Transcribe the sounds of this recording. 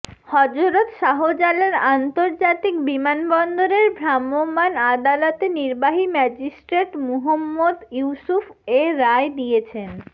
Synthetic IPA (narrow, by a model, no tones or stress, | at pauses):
hɔd͡ʑuɾot̪ʃaɦod͡ʑaleɾant̪oɾd͡ʑat̪ikbimanbɔnd̪oɾeɾbʱɾamːomanad̪alot̪eniɾbaɦimɛd͡ʑisʈɾeʈmuɦomːod̪jusufeɾaed̪ijet͡ɕʰen